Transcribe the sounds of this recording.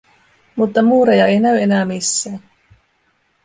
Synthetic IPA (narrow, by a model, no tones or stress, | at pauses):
mut̪ːɑmuːɾejɑe̞jnæyenæːmisːæːn